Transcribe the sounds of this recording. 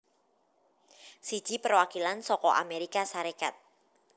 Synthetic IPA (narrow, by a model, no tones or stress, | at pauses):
si̥d͡ʒ̥ipərwakilansɔkɔʔa̰meɾikasaɾekat̪̚